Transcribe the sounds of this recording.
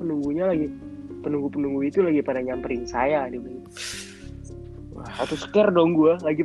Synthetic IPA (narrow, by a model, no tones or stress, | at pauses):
pənuŋɡuɲalaɡipənuŋɡupənuŋɡuit̪ulaɡipadaɲampəɾɪŋsajadibən | wahat̪usə̥kɛrdɔŋɡualaɡi